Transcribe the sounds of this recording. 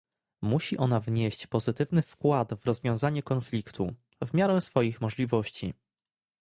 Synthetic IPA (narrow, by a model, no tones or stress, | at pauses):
muɕiʔɔnavɲeɕt͡ɕpɔzɘt̪ɘvnɘfkwad̪vɾɔzvʲjɔ̃w̃zaɲɛkɔnflʲikt̪ʰṵ | vmʲjaɾɛw̃sfɔjixmɔʐlʲivɔɕt͡ɕḭ